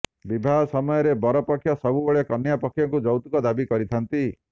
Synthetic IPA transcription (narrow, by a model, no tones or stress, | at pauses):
bibʱaɦɔsɔmɔjɔɾebɔɾɔpɔkʰjɔsɔbubeɭjɔkɔnjapɔkʰjɔŋkud͡ʒɔwt̪ukɔd̪abikɔɾit̪ʰant̪i